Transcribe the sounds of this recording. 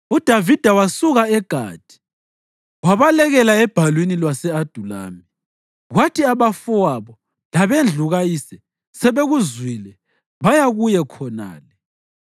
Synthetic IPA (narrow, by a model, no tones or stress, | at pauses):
ud̥ʱavid̥ʱawasuɣaɛɡ̥ʱa̰ːd̥ʱi̥ | waβalɛɣɛlaɛb̥ʱalwinilwasɛad̥ʱula̰ːmi | ɣwatʰiaβafɔwaβɔ | laβend͡ɮʱuɣajisɛ | sɛβeɣuzwilɛ | βajaɣujɛkʰɔna̰ːlɛ